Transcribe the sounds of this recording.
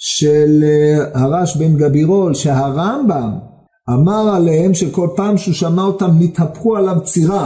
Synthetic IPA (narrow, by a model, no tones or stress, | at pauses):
ʃelhaʁaʃbenɡabiʁo̞lʃeɦaʁambam | amaʁalehemʃeko̞lpaːmʃuʃamaot̪amnit̪hapχualavt͡siʁa